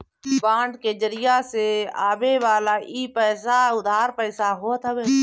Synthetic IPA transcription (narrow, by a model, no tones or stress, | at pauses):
bãːɳɖkeːd͡ʒəɾɪjaːseːaːbeːʋaːlaːʔiːpɛːsaʊd̪ʱaːɾpəːsaːɦoːt̪ʰəʋeː